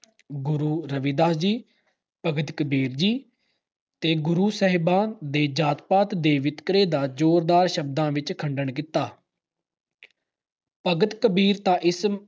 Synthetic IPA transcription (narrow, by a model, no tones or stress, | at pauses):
ɡʊɾuːɾəʋid̪aːd͡ʒiː | pəɡət̪kəbiːɾd͡ʒiː | t̪eːɡʊɾuːsəɦɪbaːnd̪eːd͡ʒaːt̪paːt̪d̪eːʋɪt̪kəɾeːd̪aːd͡ʒoːɾd̪aːɾʃəb̚d̪ãːʋɪt͡ʃkʰəɳɖəɳk̬ɪt̪ːaː | pəɡət̪kəbiːɾt̪ãːʔɪs